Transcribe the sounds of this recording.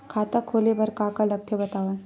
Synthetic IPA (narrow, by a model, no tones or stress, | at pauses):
kʰaːt̪akʰoːlebɐɾkaːkalɐkt̪ʰjebɐt̪aːʋən